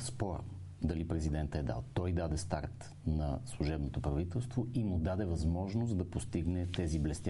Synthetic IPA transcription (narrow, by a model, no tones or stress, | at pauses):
spɔɾə̰ | d̪ɐlipɾɛzid̪ɛnt̪əɛd̪a̰lˠt̪ɔjd̪ad̪ɛst̪aɾt̪ | nɐslˠuʒɛbnot̪opɾɐvit̪ɛlˠst̪voimʊd̪ad̪ɛvɐzmɔʒnost̪d̪ɐpost̪iɡnɛt̪ɛziblɛst̪ʲa